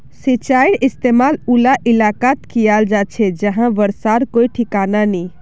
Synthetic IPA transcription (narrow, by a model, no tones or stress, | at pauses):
sit͡ʃaiɽist̪emalulaʔilakat̪kijald͡ʒat͡ʃʰɛd͡ʒəɦãʋəɾsaɾkoiʈʰikananɛ